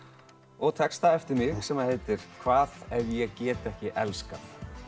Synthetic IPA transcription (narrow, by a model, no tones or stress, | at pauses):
ɔɣt̪ʰɛkst̪aɛft̪ɪɾmɪɣsɛmaðheːjt̪ɪɾ̥kʰvaːðɛvjɛɣcɛːt̪ɛhcɪʔɛlskaθ